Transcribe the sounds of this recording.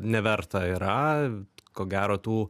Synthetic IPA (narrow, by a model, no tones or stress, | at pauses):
nʲɛʋʲɛrt̪ɐiːɾɐ | koːɡʲæːɾoːt̪uː